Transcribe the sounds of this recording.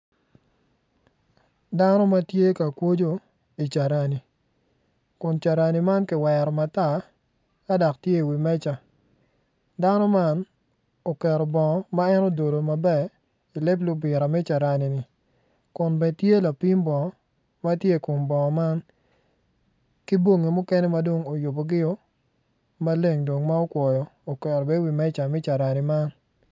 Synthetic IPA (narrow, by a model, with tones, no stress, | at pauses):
da˦no˦ma˦tje˦ka˨kwo˦d͡ʒo˦ | i˨t͡ʃa˨ɾa˨ni˨ | kʊ˨nt͡ʃa˨ɾa˨ni˨ma˦nkɪ˨wɛɾɔ˨ma˨ta˦ | ka˦dɔ˨ktje˦i˨wi˨mɛ˦t͡ʃa˨ | da˦nɔ˦ma˦n | o˨kɛ˨ɾɔ˨bɔ˨ŋɔ˨ma˦ɛ˦no˦˨do˨do˨ma˨bɛ˨ | i˨le˦blʊ˦bɪ˨ɾa˨mɛ˦t͡ʃa˨ɾa˨ni˨nɪ˨ | kʊ˨nbɛ˨tje˦la˨pi˦mbɔ˨ŋɔ˨˦ | ma˦tje˦˨ko˨mbɔ˨ŋɔ˨ma˦n | ki˦bwo˦ŋe˨mʊ˦kɛ˦nɛ˦ma˦do˦ŋo˨jʊ˨bo˨ɡɪ˦o˦ | ma˦le˦ŋdo˨ŋma˦o˦kwɔ˨jɔ˨o˨kɛ˨ɾɔ˨bɛ˦wi˨mɛ˦t͡ʃa˨mɛ˦t͡ʃa˨ɾa˨ni˨ma˦n